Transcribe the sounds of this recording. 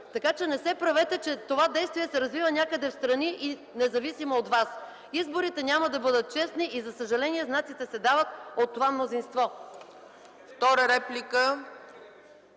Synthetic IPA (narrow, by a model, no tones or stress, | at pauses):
t̪ɐkat͡ʃɛnɛsɛpɾɐvɛt̪ɛt͡ʃɛt̪ovad̪ɛjst̪vijɛsɛɾɐzvivənʲakəd̪ɛfst̪ɾɐniʔi | nɛzɐvisimoot̪vas | izboɾit̪ɛnʲaməd̪ɐbɤd̪ət̪̚t͡ʃɛsniʔizɐsəʒɐlɛniɛznat̪sit̪ɛsɛd̪avət̪ot̪ːovamnozinst̪vɔ | ft̪ɔɾəɾɛplʲikə